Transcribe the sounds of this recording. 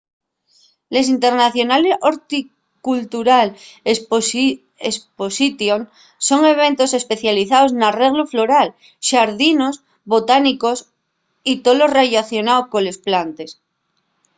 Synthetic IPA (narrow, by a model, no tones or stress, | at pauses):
le̞s̬int̪e̞ɾnaθjo̞naleoɾt̪i | kult̪uɾal | esposit̪joŋ | so̞ŋe̞β̞e̞nt̪o̞se̞spe̞θjaliθaoznare̞ɣluflo̞ɾal | ʃaɾðino̞s | βo̞t̪aniko̞s | it̪olo̞raʝaθjo̞naokole̞splant̪e̞s